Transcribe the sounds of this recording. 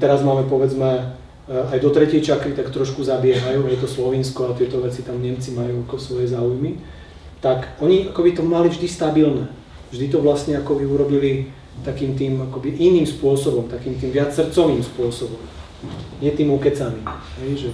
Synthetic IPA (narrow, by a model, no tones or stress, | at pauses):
t̪ɛɾazmaːmɛpɔʋɛd͡zmɛ | ajd̪ɔt̪ɾɛcɪɛjt͡ʃaklit̪akt̪ɾɔʃkuzabɪɛɦajuːajɛt̪̬ɔslɔʋiːnskɔat̪ɪɛt̪ɔʋɛt͡sit̪amɲɛmt͡simajuːakɔsʋɔjɛzaːujmi | t̪akɔɲiakɔbit̪ɔmalivʒd̪ist̪abilnɛː | vʒd̪it̪ɔʋlast̪ɲɛakɔʋiuɾɔbili | t̪akiːmt̪iːmakɔbiʔiniːmspʊɔsɔbɔmt̪akiːmt̪iːmʋɪat͡ssːr̩t͡sɔʋiːmspʊɔsɔbɔm | ɲɪɛt̪iːmukɛt͡saniɦɛjʒɛ